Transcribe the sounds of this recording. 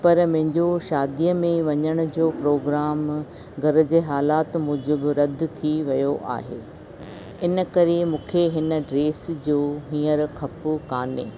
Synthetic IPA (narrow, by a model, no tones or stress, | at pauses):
pɐɾmɐ̃ɦɪ̃ɲd͡ʑoʃaːd̪ijəmẽʋɐɲəɽ̃ʊ̆d͡ʑoːpɾoːɡɾaːm | ɡʱɐɾə̆d͡ʑeːɦaːlaːt̪mũːd͡ʑobɪɾɐd̪ʱt̪ʰiʋɐjoʔa̰ːɦḛː | ɪnə̆kɐɾemũːkʰeɦɪnə̆ɖɾeːsd͡ʑoːɦĩːəɾkʰɐpʊkaːneː